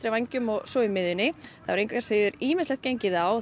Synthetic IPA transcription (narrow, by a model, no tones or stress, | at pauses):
ɾɪvajɲcʏmɔɣsɔɪmɪðʏnɪθa̰vɾejŋkvakḁɾsɪːðʏɾiːmɪnslɛht̪ceɲcɪðaw